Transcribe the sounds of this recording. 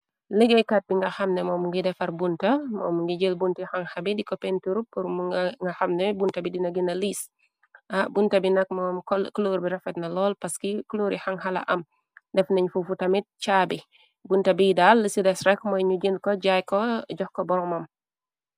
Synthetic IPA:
ləɡɛjkat̚biŋɡɐxɐmnɛmɔːmuŋɡidɛfɐrbuntɐmɔ̰ːmuŋɡiɟəlbuntixɐŋhɐbidikɔpɛntuɾupːuɾumuŋɡɐxɐmnɛbuntɐbidinɐɡinɐliːs | ɐbuntɐbinɐk̚mɔːmkkloːɾbiɾɐfɛtnɐlɔːlpɐskikluːɾixɐŋɦɐlɐ̰ʔɐm | dɛfnɐɲufufutɐmit̚t͡ʃaːbi | buntɐbidalːəsidɛsɾɛkmɔjɲuɟinkɔɟajkɔɟɔxkɔbɔɾɔmɐm

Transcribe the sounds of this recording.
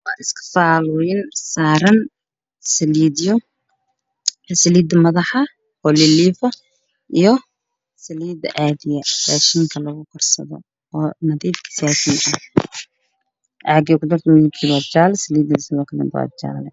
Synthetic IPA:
wɑ̰ːɪskʰɐ̥faːlʊjɪnsaːɾɐn | sɐliːdijʊ | sɐliːd̪ɐmɐðɑħɐ | hɔliliːfɐ | ʔijɔ | sɐliːd̪ɐ̰ʔaːðɪjɐbaːʃiːŋkʰɐlɐɣʊkʰɔrsɐ̰ðɔ̰ | ɔːnɐðiːfkʰɐ̥saːkʰiːnʔɐ | ʔaʕɡiːkʰʊd̪ɔrt̪ʰɐmɪɪb̚kʰiːβaːt͡ʃaːlɛsɐliːd̪ɪlɪsɐðɔːkʰɐlɛ̰ba̰t͡ʃa̰ːlɛ

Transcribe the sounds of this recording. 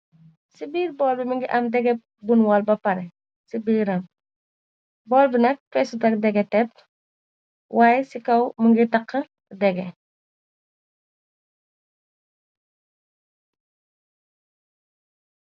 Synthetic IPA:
sibiːɾbɔːlbiməŋɡiʔɐmdɛɡɛ | bunwɐlbɐpɐɾɛ | sibiːɾɐm | bɔːlbinɐk̚fɛsutɐk̚dɛɡɛtɛp̚ | wʔaːjsikɐwməŋɡitɐqːɐ | dɛɡɛ

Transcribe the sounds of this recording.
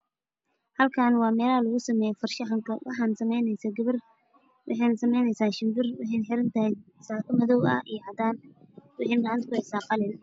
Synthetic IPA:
hɐlkʰaːnwɑːmɛːlalɐɣʊsɐmɛːjɔfɐrʃɐħɐŋkʰɐwɑ̰ħɑːnsɐmɛjnɛjsaɡɐβɪr | wʔɑ̰ħɑjnɐsɐmɛjnɛjsaːʃɪmbɪrwɪħɛjnħɪɾɐnt̪ʰɐɦɛjsaːkʰɐmɐðɔwɐ̰ijhɐd̪aːnwʊħenɡɑʕɑnt̪kʰʊhɛjsaːqɑlɪn

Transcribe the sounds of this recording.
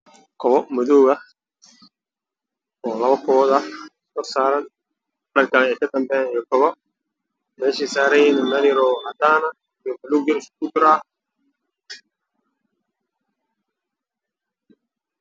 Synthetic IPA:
kʰɔβɔmʊðɔːɣɐ | ɔːlɐβɐkʰɔβɔðɐ | kɔsaːɾɐn | ɖɐŋkʰaːnɛːkʰɐd̪ɐmbɛːnijɔkʰɔβɔ | mɛːʃiːsaːɾɐjɛnɐmɐnɪɾɔhɐd̪aːnɐ | ijɔbɐluːd͡ʒɪɾɪskʰʊt͡ʃɪɾaː

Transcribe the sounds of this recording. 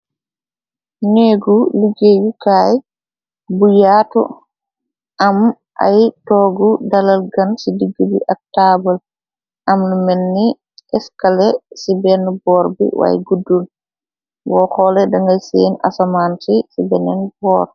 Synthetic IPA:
neɡuliɡejukaj | bujatɔ̰ | ʔam | ʔa̰jtɔɡudalalɡansidiɡubḭʔak̚tabal | ʔamnumɛnːi | ʔɛskalɛsibɛnbɔɾbḭwa̰jɡudːun | wɔkɔlɛdaŋɡajsena̰samansisibɛnɛnbɔɾ

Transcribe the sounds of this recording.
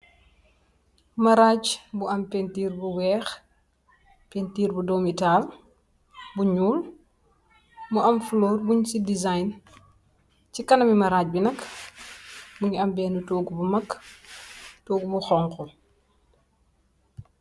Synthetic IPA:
mɐɾaːcbuɐmpentiːrbuwɛːx | pentiːrbudɔmitaːl | buɲuːl | muɐmflɔːrbuɲsidizajn | cikɐnɐmimɐɾaːc̚binɐk | buɲɐmbɛːnutoːɡubumɐk | toːɡbuxɔŋkɔ

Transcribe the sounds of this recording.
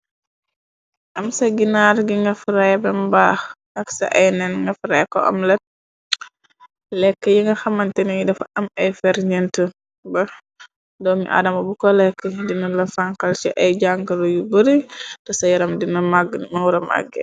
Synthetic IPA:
ʔɐmsɐɡinaɾɡiŋɡɐfɾajbɛmbax | ʔɐksɐ̰ʔɐjnɛnŋɡɐfɾɐjkɔ̰ʔɐ̰mlɛt̚ | lɛkːəjiŋɡɐxɐmɐntɛnijidɐfɐmɐjfɛɾɲɛntə | bɐ | dɔːmḭʔa̰dɐmɐbukɔlɛkːədinɐlɐfaŋkɐlt͡ʃiʔɐjɟaŋɡɐɾujubəɾidɐsɐjɐɾɐmdinɐmaɡmɐwuɾɐma̰ɡːɛ̰

